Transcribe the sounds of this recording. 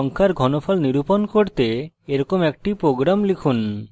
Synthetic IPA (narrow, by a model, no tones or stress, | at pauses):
ɔŋkʰaɾɡʱɔnopʰalniɾuponkoɾt̪e | eɾɔkomɛk̚ʈipɾoɡɾamlikʰun